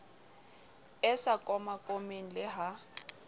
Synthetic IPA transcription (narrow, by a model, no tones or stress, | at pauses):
ɛsakʼɔmakʼomen̩lɪɦa